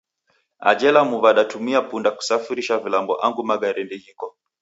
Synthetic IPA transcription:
a̰d͡ʒɛlamuβaɗatumiapundaku̥safiɾiʃavilambɔ̰ʔaŋɡumaɡaɾɛndɛhikɔ

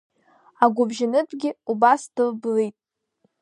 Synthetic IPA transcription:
aɡʷʊbʒɪnɨtʰʼɡʲɪubasd̥ɨlblejtʼ

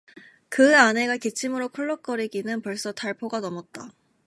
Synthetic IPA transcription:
kɯane̞ɡake̞t͡ɕʰimɯɾokʰuɭːʌk̚k͈ʌɾiɡinɯnpʌɭs͈ʌtʰaɭpʰoɡanʌmʌt̚t͈a

